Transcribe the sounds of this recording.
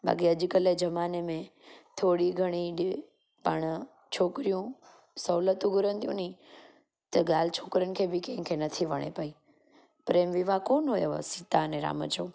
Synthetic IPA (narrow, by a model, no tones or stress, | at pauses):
bʱa̰ːkiɐd͡ʑ̆kəled͡ʑɐmaːnemẽt̪ʰoːɽiɡʱɐɽ̃iɖ | pɐɽ̃ | t͡ʃʰoːkɾijũ | sɐːlət̪ũɡʱʊɾənt̪ʰijṵ̃nĩ | t̪ɐɠaːl̤ɪt͡ɕʰoːkɾənɪ̆kʰeːbɪkẽɦɪ̃kʰenɐt̪ʰiʋɐɽ̃ḛpɐiː | pɾeːmʋɪʋakoːnɦoːjoʋ̰sit̪anẽɾa̰ːmə̰t͡ʃoː